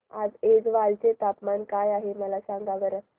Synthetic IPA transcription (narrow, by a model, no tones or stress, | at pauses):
ad͡zed͡zʋalt͡ɕet̪apmankajaɦeməlasãŋɡaʋəɾə